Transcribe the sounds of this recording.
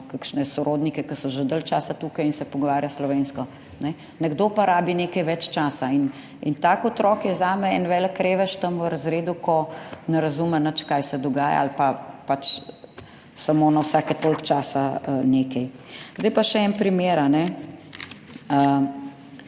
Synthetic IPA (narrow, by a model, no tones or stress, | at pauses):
kakʃnɛsɔɾʔoːd̪nikɛkəsɔʒəd̪əlt͡ʃaːsat̪uːkɐjinsɛpɔɡɔʋaːɾjaslɔʋeːnskɔ | nɛ | nɛɡd̪oːpaɾaːbineːkɐjʋɛt͡ʃt͡ʃaːsain | int̪aːkɔt̪ɾɔːkjɛzaːmɛɛnʋɛləkːɾeːʋɛʃt̪əməɾɐzɾeːd̪ukɔnɛɾɐzuːmɛnət͡ʃkaːjsɛd̪ɔɡaːja̰alpapat͡ʃ | samonawsaːkɛt̪oːlkt͡ʃaːsaneːkɛj | zd̪ɛjpaʃɛɛnpɾimeːɾanɛ | ə